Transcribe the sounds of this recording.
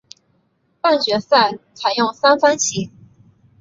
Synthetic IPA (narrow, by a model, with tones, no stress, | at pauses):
pa˥˩nŋt͡ɕɥɛ˧˥sa˥˩t͡sʰa˧˥ɪjʊ˥˩ŋsa˥nfa˥nt͡ɕʰi˧˥